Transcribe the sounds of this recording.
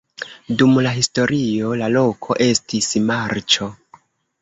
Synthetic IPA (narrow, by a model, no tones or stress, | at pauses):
dumlaɦisto̞ɾio̞lalo̞kʰo̞ʔe̞stismaɾt͡ʃo̞